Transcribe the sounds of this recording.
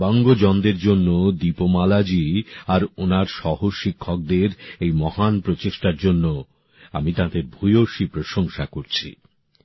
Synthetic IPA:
bɔŋɡod͡ʑɔnd̪eɾd͡ʑonːod̪ipomalad͡ʑiaɾonaɾʃɔɦoʃikʰːɔk̚d̪eɾejmɔhanpɾot͡ɕeʃʈaɾd͡ʑonːo | a̰mit̪ãd̪eɾbʱujoʃipɾoʃoŋʃakoɾt͡ɕʰḭ

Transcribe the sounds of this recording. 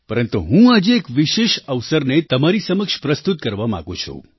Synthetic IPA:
pəɾənt̪uɦũad͡ʒeːkʋiʃeʃəʋsəɾnet̪əmaɾisəməkʃpɾəst̪ut̪̚kəɾʋama̰ɡṵ̃t͡ʃʰṵ̃

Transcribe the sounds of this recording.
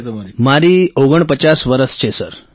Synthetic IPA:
maɾiːoɡəɳpət͡ɕasʋəɾəst͡ɕesə̰ɾ

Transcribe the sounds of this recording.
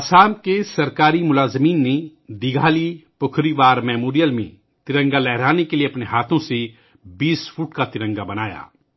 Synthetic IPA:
ɐsaːmkesɐɾkaːɾimʊlaːzmiːnːed̪ɪɡʱaːliːpʊkʰɾiʋaːɾmɛːmoːɾijəlmḛ̃ː | t̪ɪɾə̃ŋɡalɛɦɾaːnekelieɐpneɦaːt̪ʰõsi | biːspʰuːʈkat̪ɪɾə̃ŋɡabɐnaːja̰ː

